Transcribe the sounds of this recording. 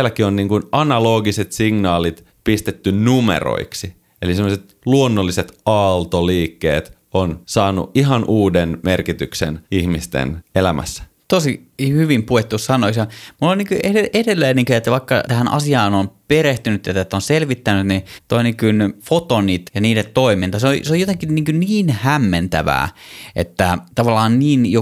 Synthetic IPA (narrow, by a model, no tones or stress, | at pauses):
lækionniːŋkunɑnɑloːɡiset̪siŋnɑːlit̪ | pist̪et̪ːynnumḛro̰iksi | elisemːoset̪ | luonːolːiset̪ɑlt̪oliːkːḛːt̪ | onsɑːnṵʔiɦɑnʔuːdenmerkit̪yksḛnihmist̪ḛnelæmæ̰sːæ̥ | t̪osi | hyʋimpuet̪ːussɑnoisjɑmulːonniːŋkyʔeeʔedelːeːniːŋkyet̪ːæʋɑikːɑt̪æhænɑ̰siɑːnonpeɾeht̪ynyt̪jæt̪ːæt̪ːonselʋit̪ːænyt̪nit̪oiniŋkynfot̪onit̪jɑniːdet̪t̪oimint̪ɑseoḭseojot̪eŋkinniːŋkyniːnhæmːent̪æ̰ʋæ̰ːʔet̪ːæt̪ɑʋɑlːɑːnniːnjo